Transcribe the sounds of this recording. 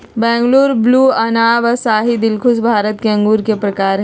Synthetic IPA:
bɛ̃ːŋɡluːɾbluːɐnaːʋəsaːɦid̪ɪlkʰʊsbʱaːɾət̪̚keɐ̃ŋɡuːɾkepɾɐkaːɾɦ

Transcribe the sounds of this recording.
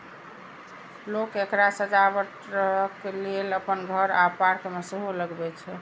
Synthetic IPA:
lokekɾasəd͡ʒabəʈ | ɾəɦkleləpənɡʱəɾapaɾkemesəɦuləɡbɛt͡ʃʰɛ

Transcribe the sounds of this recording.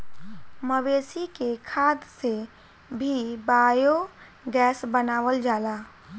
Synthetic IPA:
məweːsikekʰaːd̪se | bʱibaːjo | ɡɛːsbənaːwəld͡ʒaːlaː

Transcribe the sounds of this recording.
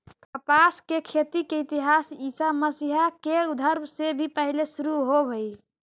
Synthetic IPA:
kəpaskekʰet̪ikeit̪iɦasisaməsiɦakeud̪ʱəɾmsebʱipəɦilesuɾuɦobʱəj

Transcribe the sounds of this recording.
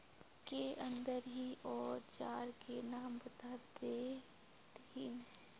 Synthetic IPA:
keə̃nd̪əɾɦiʔɔːɾt͡ʃaːɾkenaːmbət̪aːt̪e | t̪in

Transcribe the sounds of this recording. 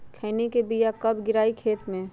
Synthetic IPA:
kʰɛːnekebijakɐbɡɪɾaːikʰeːt̪mẽ

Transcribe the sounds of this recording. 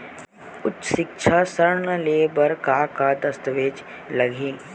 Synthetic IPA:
ʊtʃʃɪk̚t͡ʃʰasəɾɳəleːbəɾkakad̪ɐst̪əʋeːt͡ʃ | lɐɡʱẽː

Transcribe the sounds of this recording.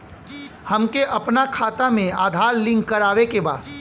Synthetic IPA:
hɐmkeʔɐpnakʰaːt̪amẽaːd̪ʱaːɾlɪ̃ŋɡkɐɾaːʋekeba̰ːd̪

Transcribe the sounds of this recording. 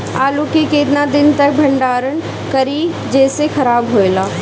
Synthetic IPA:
aːlukikeːt̪nad̪ɪnt̪ɐk̚bʱɐ̃ɳɖaːɾən | kɐɾi | d͡ʒɛːsexɐɾaːbɦoːjlaː

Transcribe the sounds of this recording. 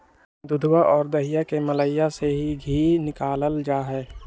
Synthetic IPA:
d̪ʊd̪ʱwaʔɔːɾd̪əɦijakemɐləɪjaseɦiɡʱiːnɪkaːləld͡ʒaːɦɛː

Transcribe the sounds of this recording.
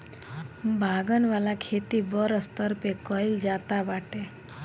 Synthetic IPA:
bʱaɡənʋalakʰet̪ibɔɾəst̪əɾpekɔild͡ʒat̪abaʈe

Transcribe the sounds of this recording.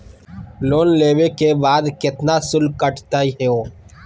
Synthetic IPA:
loːnleːwekebaːd̪kɪt̪nasʊlkəʈʰt̪aiɦɛoː

